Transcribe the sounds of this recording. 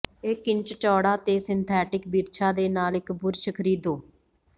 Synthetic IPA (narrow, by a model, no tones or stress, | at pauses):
eːkɪɲt͡ʃt͡ʃɔːɽaːt̪eːsɪnt̪ʰɛːʈɪkbiːɾt͡ʃʰaːd̪eːnaːlɪkbʊɾʃəkʰɾiːd̪oː